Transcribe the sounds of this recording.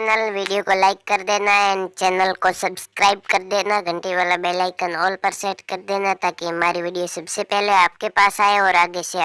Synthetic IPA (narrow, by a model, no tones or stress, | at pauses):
nəlʋiːɖijokolaːɪkːɐɾd̪eːnaɛnt͡ʃɛːnəlkosɐbskɾaːɪb̚kɐɾd̪eːnaɡʱə̃ɳʈeʋaːlabɛːlaːɪkənɔːlpəɾseːʈkɐɾd̪eːnat̪aːkiɦɐmaːɾiʋɪːɖijosɐbsepɛɦleaːp̚kepaːsaːeɔːɾaːɡese